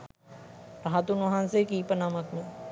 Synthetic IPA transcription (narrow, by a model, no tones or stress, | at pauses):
ɾaɦat̪unʋɐɦãnsekiːpənamɐkmẽ